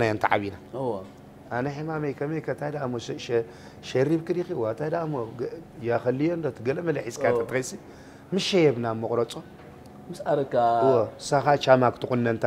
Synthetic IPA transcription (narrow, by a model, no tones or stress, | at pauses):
ajont̪ʰa̰ʕa̰βinaɨwo | anɐħɨmamɐjkʰɐmejkʰɐt̪ʰajd̪amoʃ | ʃɐɾibkɨɾixiwat̪ʰajd̪aʔmojaxɐlːijond̪ot̪ʰɨɡɐlɐmɐlɐħiskʰatʰɐt̪ʼɨxɐjsi | mɨʃejɛβnamːɨχʼɾɐt͡sʼo | mɨsaɾɐkaɨwosaxat͡ʃamakt̪ʰɨkʼunːɐnt̪ʰa